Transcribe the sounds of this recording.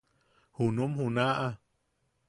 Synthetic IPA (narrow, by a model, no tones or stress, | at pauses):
hunumhunaʔa